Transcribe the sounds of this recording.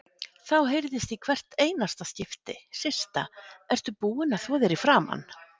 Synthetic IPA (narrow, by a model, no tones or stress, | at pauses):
θawɦejɾðɪst̪ikʰvɛr̥t̪eːjnast̪ascɪft̪ɪ̰sɪ̥st̪aɛr̥t̪ʏpuːɪnaθvɔːðɛɾifɾaːma̰nː